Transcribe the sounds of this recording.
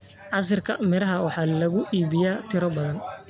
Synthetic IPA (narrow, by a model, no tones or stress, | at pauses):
ʕɑs̬ɐrkʰɐmɪɾɐɦɐwɑħɑːlɐɣʊʔiːβɪjaːt̪ʰɪɾɔbɐðɐn